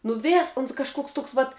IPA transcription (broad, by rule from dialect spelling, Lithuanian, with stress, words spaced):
nʊ ˈʋʲeːs ʊns kɐʃˈkoːks ˈtoːks ʋɐt